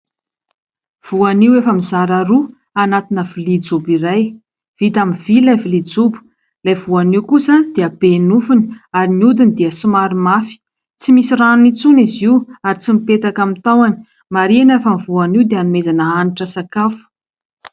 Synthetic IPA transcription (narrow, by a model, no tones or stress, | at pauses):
v̥uaniwefəmizaɾaɾu | anat̪inəvilid͡zubiɾaj | v̥it̪amivilavilid͡zubu̥ | lajvuaniwkusəd̪̥eəbenufuni̥aɾiniud̪inid̪iəsumaɾimafi̥ | t͡simisiranunit͡suniziwaɾit͡simipet̪akamit̪awani̥ | maɾinefamivuaniwd̪eanumezanəaniʈ͡ʂəsakafu̥